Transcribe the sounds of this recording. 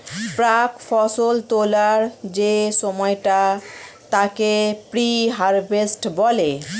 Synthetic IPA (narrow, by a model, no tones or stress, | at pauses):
pɾakfʰɔsolt̪olaɾd͡ʑesɔmɔjʈat̪akepɾiɦaɾbesʈbɔle